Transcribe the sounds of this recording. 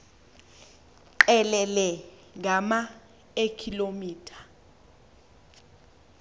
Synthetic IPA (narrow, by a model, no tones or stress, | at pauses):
ǃɛlɛlɛ | ŋɡʱama | ekʰilomiːtʰḁ